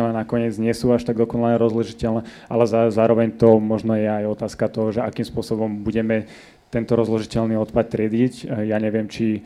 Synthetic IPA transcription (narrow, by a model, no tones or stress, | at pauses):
alɛnakɔɲɪɛd͡zɲɪɛsuːaʃt̪aɡ̚d̪ɔkɔnalaɲɛɾɔzlɔʒicɛlnɛː | ʔalɛzazaːɾɔʋɛɲt̪ɔmɔʒnɔjɛajɔt̪aːskat̪ɔɦɔʒɛakiːmspʊɔsɔbɔmbuɟɛmɛ | t̪ɛnt̪ɔɾɔzlɔʒicɛlniɔt̪pat̪̚t̪ːɾɪɛd̪icjaɲɛʋɪɛmt͡ʃi